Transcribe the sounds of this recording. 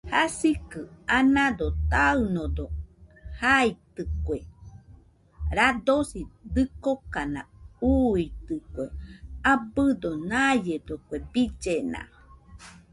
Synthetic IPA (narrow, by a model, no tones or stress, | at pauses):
hasikɨanad̪ot̪aɨnod̪ohait̪ɨkʷe | ɾad̪osid̪ɨkokana̰uit̪ɨkʷeabɨd̪onajed̪okʷebid͡ʒena̰